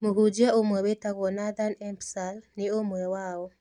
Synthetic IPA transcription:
moɦud͡ʒiaomwɛwetaɣɔnaðanɛmpsalniomwɛwaɔ

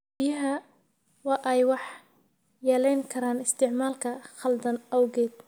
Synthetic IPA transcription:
bɪjɐɦɐ | wɑːʔɛjwɑħ | jɛːlɛjŋkʰɐɾaːnɪst̪ʰɪʕmaːlkʰɐχɐld̪ɐnɐwɣɛːd̪̚

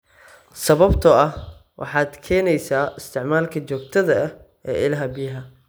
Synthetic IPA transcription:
sɐβɐbt̪ʰɔɐh | wʔɑ̰ħɑːd̪kʰɛːnɛjsaːɪst̪ʰɪʕmaːlkʰɐt͡ʃɔːɡt̪ʰɐðɐɐ | ɛ̰ːʔɪlɐɦɐbɪjɐɦɐ

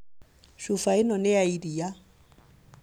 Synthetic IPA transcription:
ʃʊfaɪnɔnɪaidija

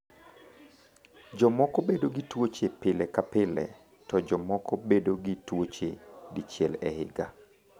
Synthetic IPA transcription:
d͡ʒɔmɔkɔbedoɡitwot͡ʃepɪlɛkapɪlɛ̰ | tɔd͡ʒɔmɔkɔbedoɡitwot͡ʃedit͡ʃjɛlɛ̰hɪ̰ɡa

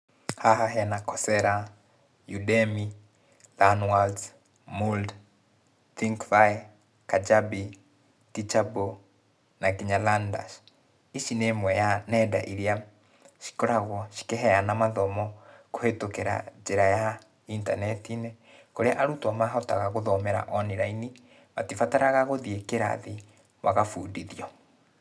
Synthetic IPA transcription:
haɦaɦɛnakɔsɛɾa | judɛmi | lanwald | muld | θiŋkvaj | kad͡ʒabi | tit͡ʃabo | naɡiɲalanda̰ʃ | iʃinemwɛjanɛda̰ʔiɾia | ʃi̥kɔɾaɣwɔʃi̥keɦɛanamaðɔmɔkohetokeɾa̰d͡ʒeɾaja | inta̰nɛtine | koɾeaʔaɾutwɔmaɦɔtaɣaɣoðɔmɛɾa̰ʔɔniɾaini | matifataɾaɣaɣoðiekeɾa̰ði | waɣafuːdiðiɔ

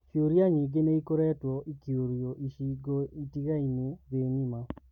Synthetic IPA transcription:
ʃjoɾjaɲiɡeneikoɾɛːtwɔʔikjoɾjɔʔiʃiɡɔitiɣaineðeɲima

